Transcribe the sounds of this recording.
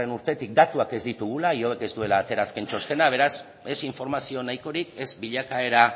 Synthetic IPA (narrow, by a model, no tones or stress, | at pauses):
enuɾt̪e̞t̪ik̚d̪at̪uake̞zd̪it̪uɣ̞ulaio̞βe̞ke̞zd̪ue̞laːt̪e̞ɾaskent͡ʃo̞st̪e̞naβ̞e̞ɾas | e̞siɱfo̞ɾmasio̞najko̞ɾike̞zbiʎakae̞ɾa